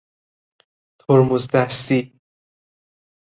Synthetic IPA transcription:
t̪ʰoɾmuzd̪æst̪i

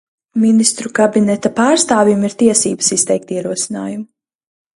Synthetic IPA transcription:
minist̪ɾukabinɛt̪apaːɾst̪aːvjumiɾt̪iɛsiːbə̥sist̪ɛjk̚t̪iɛɾuɔsina̰ːjum

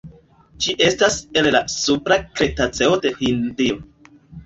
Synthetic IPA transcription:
d͡ʒiʔe̞stase̞llasupɾakɾe̞tat͡se̞o̞de̞hindio̞

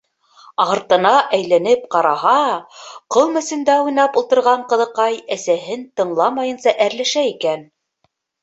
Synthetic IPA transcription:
ɑɾt̪ɤ̆nɑʔæjlænɘp̚qɑɾɑɦɑqɤlˠmɘ̆sɘ̆nd̪æujnɑpulˠt̪ɤ̆ɾʁɑɴqɤ̆ðɤ̆qɑjæsæɦɘnt̪ɤ̆ɴlˠɑmɑjɤ̆nsɑʔæɾlæʃæikæn

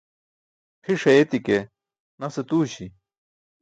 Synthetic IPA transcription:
pʰiʂɐet̪ike | nɐset̪uːɕi

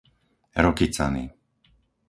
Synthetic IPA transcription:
ɾɔkit͡sa̰nḭ

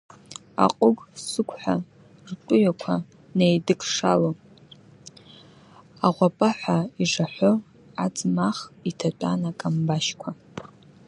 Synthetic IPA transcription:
a̰qʼʊɡsɨkʷʰʼħʷᶣa | rtʼʊjakʷʰa | nejdɨkʼʰʂa̰lo | aʁʷapʼaħʷaiʐaħʷo | ad͡zʼmaχitʰatʷʼa̰nakʼambaʃkʷʰa

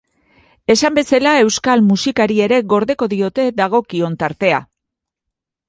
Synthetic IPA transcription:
e̞sambe̞salae̞wskalmusikaɾie̞ɾe̞ɣo̞ɾðe̞ko̞ðio̞t̪e̞ðaɣ̞o̞kio̞nt̪aɾt̪e̞a

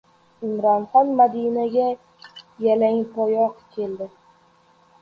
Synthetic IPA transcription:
ɪmɾɒnχɒnmad̪inaɡʲa | jalaŋpʰɒjɒqkʲʰe̞ld̪ɪ

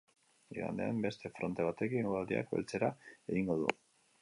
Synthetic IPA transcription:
iɣa̰nd̪ea̰mbe̞st̪e̞fɾo̞nt̪eβ̞at̪e̞kiŋɡuwald̪ia̰kbe̞̰lt͡se̞ɾaeɣiŋɡo̞ðṵ

